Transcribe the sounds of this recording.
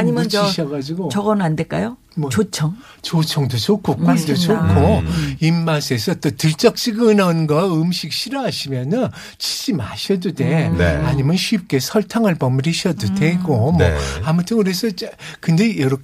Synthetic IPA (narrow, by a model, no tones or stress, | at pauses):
aɲimʌiɕʰʌɡad͡ʑiɡot͡ɕʌɡʌnɯandek͈a̰jo | mʌt͡ɕot͡ɕʰʌŋ | t͡ɕot͡ɕʰʌŋdot͡ɕokʰokwadot͡ɕokʰoimːasʰesʰʌt͈otɯɭt͡ɕ͈ʌk̚t͡ɕ͈iɡɯnʌnɡʌɯmɕʰik̚ɕʰiɾʌɦaɕʰimjʌnɯn | t͡ɕi̥ɕ͈imaɕʰʌdude̞aɲimjʌnɕʰɥip̚k͈e̞sʰʌɭtʰaŋɯɭpʌmɾiɕʰʌdude̞ɡomʌ̰amʌtʰɯnkɯɾe̞sʰʌt͡ɕkɯnde̞jʌɾʌ